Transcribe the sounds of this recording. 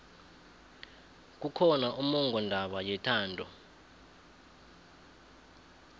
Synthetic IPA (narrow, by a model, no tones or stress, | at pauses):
k̬ukʰɔnaʔumɔŋɡʱɔndʱaɓajɛtʰaːndʱɔ